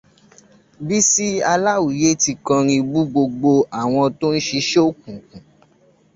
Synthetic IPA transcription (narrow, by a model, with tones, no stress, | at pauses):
bi˦si˦a˧la˦wu˨je˦ti˧kã˧ɾ̃ĩ˧bu˦ɡ͡bo˧ɡ͡bo˧a˨w̃ɔ̃˧to˦n̩˦ʃi˧˦ʃe˦o˦˨k̚ũ˨kũ˨